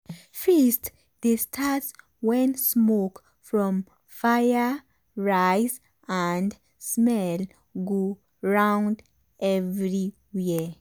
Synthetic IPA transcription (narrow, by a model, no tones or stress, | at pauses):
fɛst | destʰats | wɛ̃nsmok | fɹɔ̃m | fajə | ɹajz | ãnd | smɛl | ɡo | ɹãw̃nd | ʔɛvɹi | wi